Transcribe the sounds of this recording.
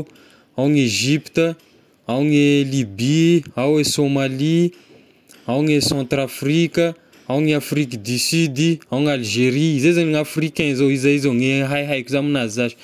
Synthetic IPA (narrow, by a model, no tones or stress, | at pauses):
awŋeʒipt̪ə | awŋelibiawesomali | awŋesɑ̃t̪ɾafrikə | awŋiafrikd̪isyd̪iawŋalʒeɾiizezaɲiŋafrikʲɛ̃zowizaizawŋeɦajɦajkʲuzaminazizaʒi̥